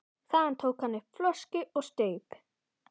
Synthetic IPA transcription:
θaðant̪ʰoːwkhanːʏhpflœscɪʔɔɣst̪eːjp

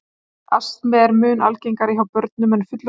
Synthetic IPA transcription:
a̰st̪mɛːðɛɾmʏːna̰lcejŋkaɾɪɦawpœɾt̪̚nʏmɛnfʏt̪l

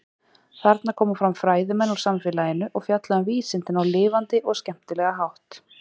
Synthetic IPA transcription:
θaɾt̪naɾkʰɔːmafɾamfɾaːjðʏmɛnːu̥samfɪːlajɪnʏʔɔɣfjat̪laðʏnviːsɪnt̪ɪnawlɪːvant̪ɪʔɔɣscɛm̥t̪ɪlɛːɣaɦawht̪

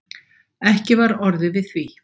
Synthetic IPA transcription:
ɛhcɪvaɾɔɾðɪvɪð̥θvi

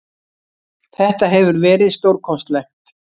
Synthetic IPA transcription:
θɛht̪aɦɛvʏɾvɛːɾɪðst̪owɾkʰɔst̪lɛjxt̪

